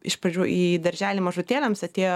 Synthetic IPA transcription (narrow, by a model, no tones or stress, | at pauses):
ɪʃpɐd͡ʒʲuːʔiːd̪ɐɾʲʒʲæːlʲimɐʒʊt̪ʲeːlʲɛmsɐt̪ʲeːjo